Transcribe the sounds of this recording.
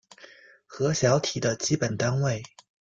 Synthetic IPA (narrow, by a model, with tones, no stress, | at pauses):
xɤ˧˥ɕjɑ˧˥ʊt̪ʰi˨˩d̪ə˦t͡ɕi˥pə˨˩nt̪a˥nwe˥˩ɪ